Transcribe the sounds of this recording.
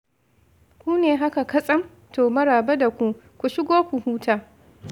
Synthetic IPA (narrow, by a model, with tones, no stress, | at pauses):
kʷuː˦neː˨ɦa˦ka˨kɐ˦sʼɐ˦m | toː˨mɐ˦ɾaː˨be˦da˨kʷu˦˨ | kʷu˨ʃɪ˦ɡʷoː˦kʷu˨huː˦tʰaː˦